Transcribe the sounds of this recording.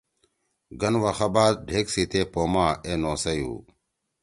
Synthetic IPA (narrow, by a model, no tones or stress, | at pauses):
ɡɐnʋaxabaːd̪̚ɖʱeːksit̪eːpoːmaːeːnoːsɐjṵː